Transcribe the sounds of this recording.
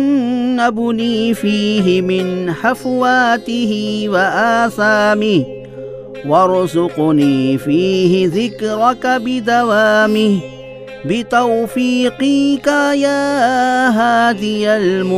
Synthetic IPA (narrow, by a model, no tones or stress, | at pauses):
nːabʊniːfiːɦɪmɪnħafwaːt̪ɪhɪwaʔaːsaːmɪh | wɑɾˤzʊqniːfiːɦɪðɪkɾˤɑkabɪd̪awaːmɪh | bɪt̪awfiːqiːkajaːɦaːðɪjalmʊ